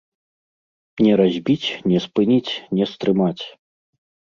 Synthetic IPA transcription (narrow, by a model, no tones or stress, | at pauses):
nʲɛɾazʲbʲit͡sʲnʲɛspɨnʲit͡sʲnʲɛst̪ɾɨmat͡sʲ